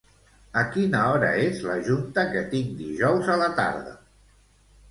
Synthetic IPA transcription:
əkinəɔɾə̰ezləʒunt̪əkət̪iŋd̪iʒɔwzələt̪a̰ɾðə̰

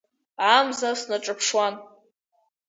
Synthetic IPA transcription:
amzasnaʈ͡ʂʼɨpʰʂwan

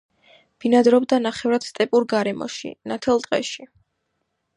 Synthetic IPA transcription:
b̥inad̪ɾɔbd̪anaχɛvɾad̪̥st̪ʼɛpʼuɾɡaɾɛmɔ̰ʃḭnat̪ʰɛlˠt̪ʼqʼɛ̰ʃi

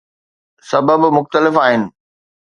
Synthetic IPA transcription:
sɐbəbmʊxt̪əlɪfaːɦɪnɪ̆

